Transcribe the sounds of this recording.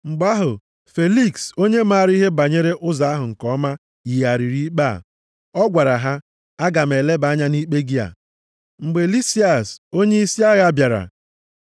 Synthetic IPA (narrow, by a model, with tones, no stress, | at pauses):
ŋ͡m̩˨ɡ͡ba˦ɦʊ˨ | fe˨li˦kso˦ɲe˦ma˦˨ɾi˦ɦe˦ba˨ɲe˦ɾe˦ʔʊ˦za˨˦a˦ɦʊ˨ŋ̩˨kɔ˦ma˦ | ji˨a˨ɾi˨ɾi˦k͡pa˦˨ | ɔ˦ɡʷa˨ɾa˨ɦa˦ | a˦ɡa˨m̩e˨le˦ba˦ɲa˦ni˦k͡pe˦ɡi˦a̰˨ | ŋ͡m̩˨ɡ͡be˨li˦si˦a˨so˦ɲe˦i˦si˦a˦ɣa˦bja˨ɾa̰˨